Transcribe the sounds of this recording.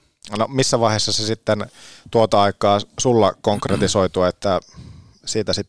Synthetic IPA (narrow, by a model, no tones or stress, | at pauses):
nomisːæʋɑˑihesːɑsesit̪ːent̪uot̪ɑɑikˑɑːsulːɑkoŋkret̪isoit̪uɑet̪ːæ | siːt̪æsit̪ː